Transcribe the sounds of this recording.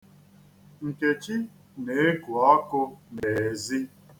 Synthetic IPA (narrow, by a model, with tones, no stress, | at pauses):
ŋ̩˨ke˨t͡ʃi˦ | ne˨e˦ku˨a˦kʊ˦ne˨zi˦